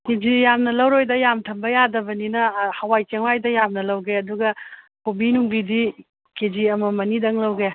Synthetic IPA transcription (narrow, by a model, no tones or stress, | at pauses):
ked͡ʒijamnɐlɐwɾojdɐjamtʰɐmbɐjadɐbɐninɐhɐwajt͡ʃeŋwajdɐjamnɐlɐwɡeɐduɡɐ | kobinuŋbidi | ked͡ʒiɐmɐmɐnidɐŋlɐwɡe